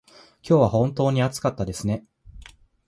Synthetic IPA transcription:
kʲo̞ːβahõ̞nt̪o̞ːɲ̟iat͡sɨ̥kat̪ːad̪e̞sɨne̞

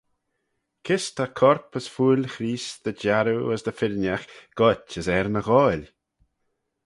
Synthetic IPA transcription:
kʰɪst̪ʰakʰɔɹpəsfuːlʲxɾiːsd̪̥əd͡ʒaɾuəsd̪əfɪɾnʲjaxɡ̥ɔt͡ʃəsɛɾnəɣɔːlʲ

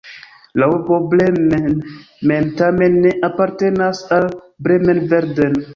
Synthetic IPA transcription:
lawupoblemen | mentamenːeʔapaɾtenasal | bɾemenveɾden

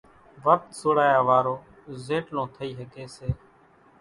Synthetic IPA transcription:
ʋək̚t̪sʊːɽaːjaːʋaːɾoː | zeːʈnõːt̪ʰəiːɦəkeːseː

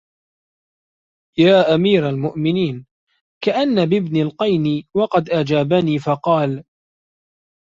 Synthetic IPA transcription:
jaːʔamiːɾalmʊʔmɪniːn | kaʔanːabɪbnɪlqɑjniwɑqɑd̪ʔad͡ʒaːbaniːfɑqɑːl

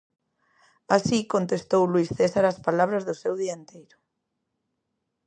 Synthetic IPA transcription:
asikont̪est̪owlwisθesaɾaspalaβ̞ɾazðʊsewðiaent̪ejɾʊ

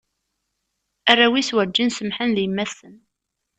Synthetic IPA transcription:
ærːæwiswæd͡ʒːinsəmħənðjəmːæsən

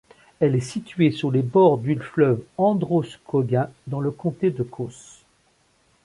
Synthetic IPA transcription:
ɛlɛsit̪ɥesuʁlebɔʁd̪ylflœvɑ̃d̪ʁoskʰɔɡɛ̃d̪ɑ̃ləkɔ̃t̪ed̪əkʰos

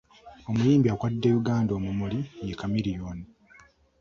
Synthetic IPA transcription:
o̞mujiːmbiakwadːejuɡaːndo̞mumulijekamiɾijoːni

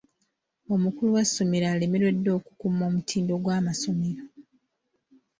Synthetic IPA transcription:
o̞mukuluwasːomeɾaːlimilwe̞dːo̞ːku̥kumo̞ːmutʰiːndo̞ɡwaːmaso̞meɾo

